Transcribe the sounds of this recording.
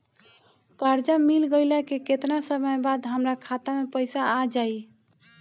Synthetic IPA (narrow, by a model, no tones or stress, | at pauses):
kaɾd͡ʒamilɡəɪlakeket̪nasəbəjbad̪ɦəmɾakʰat̪amepəɪsaad͡ʒai